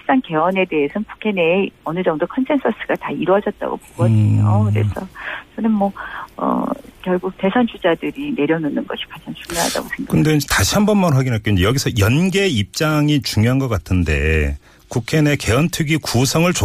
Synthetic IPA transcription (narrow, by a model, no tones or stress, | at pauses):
is͈anke̞ʌne̞de̞esʰʌnpu̥kʰe̞neːʌnɯd͡ʑʌŋdokʰʌnsʰe̞nsʰʌs͈ʰɯɡ̥ataiɾwʌd͡ʑʌt̚t͈a̰ɡo̰poɡʌijo̰kɯɾe̞̰sʰʌt͡ɕʌnɯnmʌʌ̰kjʌɭɡuk̚te̞sʰʌnd͡ʑud͡ʑadɯɾine̞ɾjʌnonɯnɡʌɕʰi̥kwad͡ʑant͡ɕʰulːaɦa̰da̰ɡosʰemakɯndetaɕʰiɦambʌnmanɸwaɡinɦak͈ond͡ʑejʌɡisʰʌjʌnɡe̞ip̚t͡ɕ͈aŋit͡ɕuŋjoɦanɡʌk͈atʰɯnde̞̰ | kukʰe̞ne̞ke̞ʌntʰɯɡikusʰʌŋɯɭt͡ɕo